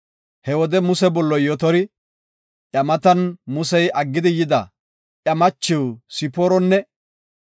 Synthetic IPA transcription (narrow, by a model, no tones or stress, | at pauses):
hɛwɔd̪ɛmʊsɛbɔlːɔjɔt̪ɔɾɪ | ʔjɐmɐt̪ɐnmʊsɛjʔɐɡːɪd̪ɪjɪd̪ɐ | ʔjɐmɐt͡ʃːɪwsɪpoːɾɔnːɛ